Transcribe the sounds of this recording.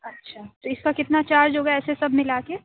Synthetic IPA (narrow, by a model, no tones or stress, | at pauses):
ɐtːʃʰaːt̪oɪskakɪt̪nat͡ʃaːɾd͡ʒɦoːɡaɛːsesɐbʱmɪlaːke